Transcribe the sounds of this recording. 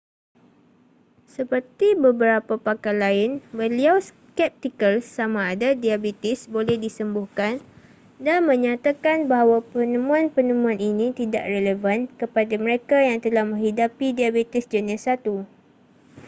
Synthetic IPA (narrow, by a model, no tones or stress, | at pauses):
səpərt̪ibəbəɾapapakalaɪnbəliaws | kɛp̚t̪ikəlsːamãːdadiabet̪ɪsbolɛhdisəmbʊhkan | danmə̃ɲãt̪akanbaɦawapənəmũanpənəmũãninĩt̪ida̰ʔreləvankəpadamə̃ɾekajaŋt̪əlahmə̃ŋɦidapidiabet̪ɪsd͡ʒənasat̪u